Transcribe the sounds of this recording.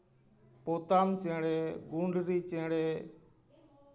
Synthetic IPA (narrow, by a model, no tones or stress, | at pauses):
poːt̪aːmt͡ʃẽːɽeːɡũːɳɖʱɾiːt͡ʃẽːɽeː